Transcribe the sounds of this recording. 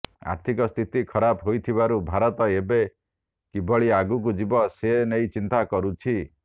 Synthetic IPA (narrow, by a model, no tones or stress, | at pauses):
a̰ɾt̪ʰikɔst̪ʰit̪ikʰɔɾapɦojt̪ʰibaɾubʱaɾɔt̪ɔebe | kibʱɔɭiaɡuk̬ud͡ʒibɔsenejt͡ʃint̪akɔɾut͡ʃʰi